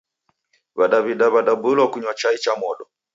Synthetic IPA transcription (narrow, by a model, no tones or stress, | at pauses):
βaɗaβiɗaβaɗabulwakuɲwat͡ʃait͡ʃamɔɗɔ